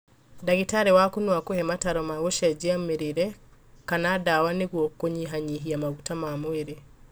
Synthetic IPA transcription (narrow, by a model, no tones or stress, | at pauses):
daɣitaɾewakonwakohɛmataɾɔmaɣoʃɛd͡ʒiameɾeɾɛkanaːdawaneɣwɔkoɲiɦaɲiɦiamaɣutamamoeɾe